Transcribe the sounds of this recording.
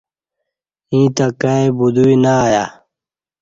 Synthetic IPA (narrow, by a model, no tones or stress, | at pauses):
ĩːt̪akaebud̪uinaːja